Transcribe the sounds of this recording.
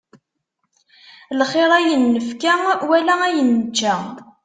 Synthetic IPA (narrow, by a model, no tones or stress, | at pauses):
lχeɾˤæjənːəfkæwælææjənːət͡ʃːæ